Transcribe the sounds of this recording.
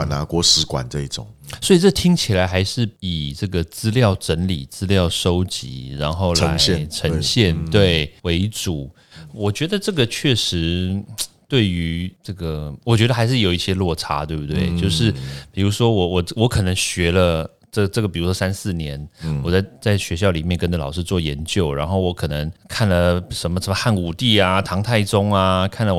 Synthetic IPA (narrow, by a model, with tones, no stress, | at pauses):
a˨˩na˧˥kwɔ˧˥ʂɻ̩˧˥kwa̰˨˩nt͡sə˥˧i˥˩t͡sʊ̰˨˩˦ŋswɔ˧˥i˨˩ʈ͡ʂɤ˥˩t̪ʰi˥ŋt͡ɕʰi˨˩la˧˥ɪxa˧˥ɪʂɻ̩˥˩pi˨˩ʈ͡ʂɤ˥˩ɡə˩t͡sɹ̩˥ljɑ˥˩ʊʈ͡ʂə˧˥nli˨˩t͡sɹ̩˥ljɑ˥˨ʊʂo˥ʊt͡ɕḭ˧˥˦ɻa˧˦nxo˥˩ʊla̰˧˥ɪɛ˥˨ʈ͡ʂʰə˧˥ɕjɛ˥˩nt̪we˥˩ɪwe˧˥ɪʈ͡ʂu˨˩˦ | wɔ˨˩t͡ɕɥɛ˧˥d̪ə˨ʈ͡ʂɤ˥˩ɡə˩t͡ɕʰɥɛ˥˩ʂɻ̩˧˥ | t̪we˥˩ɪy˧˥ʈ͡ʂɤ˥˩ɡə˩wɔ˨˩t͡ɕɥɛ˧˥d̪ə˧xa˧˥ɪʂ̬ɻ̩˥˩jo˨˩ʊi˥˩ɕjɛ˥lwɔ˥˩ʈ͡ʂʰa̰˥t̪we˥˩bu˥t̪we˥˩ɪt͡ɕjo˥˧ʊʂɻ̩˥˩pi˨˩ɻu˧˥ʂwɔ˥wɔ˨˩wɔ˨˩wɔ˧˥kʰɤ˨˩nə˧˥ŋɕɥɛ˧˥lə˧ | ʈ͡ʂɤ˥˩ʈ͡ʂɤ˥˩ɡə˩pi˨˩ɻu˧˥ʂwɔ˥sa˥nsɹ̩˥˩njɛ˧˦nwɔ˨˩t͡sa˥˧ɪt͡sa˥˩ɪɕɥɛ˧˥ɕjɑ˥˩ʊli˨˩mjɛ˥˩nkə˥nə˧˨lɑ̰˨˩ʊʂɻ̩˥˧t͡swɔ˥˩jɛ˧˥nt͡ɕjo˥˩ʊɻa̰˧˥nxo˥˩ʊwɔ˧˥kʰɤ˨˩nə˧˦ŋkʰa˥˩nlə˩ʂə˧˥nmə˧ʂə˧˥mə˧xa˥˩nu˨˩t̪i˥˩a˩t̪ʰɑ˧˥ŋt̪ʰa˥˩ɪʈ͡ʂʊ˥ŋa˧kʰa˥˩nlə˩